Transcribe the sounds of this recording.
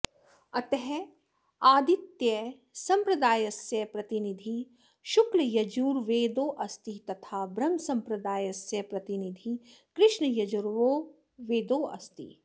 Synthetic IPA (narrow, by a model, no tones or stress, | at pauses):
ɐt̪ɐɦɛ | aːd̪it̪jɐ | sɐ̃mpɾɐd̪aːjɐsjɐpɾɐt̪inid̪ʱi | ʃuklɐjɐd͡ʒuːɾʋeːd̪oːʔɐst̪it̪ɐt̪ʰaːbɾɐmsɐmpɾɐd̪aːjɐsjɐpɾɐt̪inid̪ʱikɾɪʃɳɐjɐd͡ʒuɾʋoː | ʋeːd̪oːʔɐ̰st̪ḭ